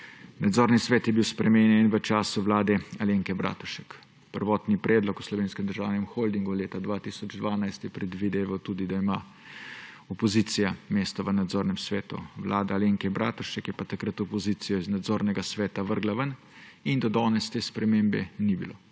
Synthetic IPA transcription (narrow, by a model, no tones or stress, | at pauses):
nad̪zoːɾnisʋɛːt̪jɛbiwspɾɛmenjɛnʋət͡ʃaːsuʋlaːd̪ɛaleːŋkɛbɾa̰ːt̪uʃɛk | pəɾʋɔːt̪nipɾɛːd̪lɔku̥slɔʋeːnskɛmd̪əɾʒaːwnɛmxold̪iŋɡuleːt̪ad̪ʋat̪isɔd͡ʒd̪ʋaːnajst̪jɛpɾɛd̪ʋid̪eːʋawt̪uːd̪id̪aima | ɔpɔziːt̪sijameːst̪ɔʋənad̪zoːɾnɛmsʋɛːt̪ṵʋlʔaːd̪aaleːŋkɛbɾʔa̰ːt̪uʃɛkjɛpat̪akɾət̪ɔpɔziːt̪sijɔiznad̪zoːɾnɛɡasʋɛːt̪aʋəɾɡlaʋən | ind̪ad̪ɔːnɛst̪eːspɾɛmeːmbɛ̰nibilo̰